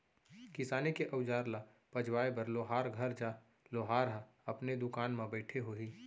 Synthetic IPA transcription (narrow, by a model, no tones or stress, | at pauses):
kɪsaːnekeʔɐʊd͡ʒaːɾla | pɐd͡ʒwaːebɐɾloːɦaːɾɡʱɐɾd͡ʒa | loːɦaːɾɦə | ɐpned̪ʊkaːnmãbɛːʈʰeɦoiː